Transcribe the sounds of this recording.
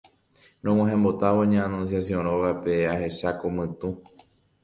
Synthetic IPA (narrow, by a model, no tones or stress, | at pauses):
nõw̃ãɦẽmbo̞t̪aʋoɲãanũnsjasjõɾ̃õɣapeahe̞ʃakomɨ̃t̪ũ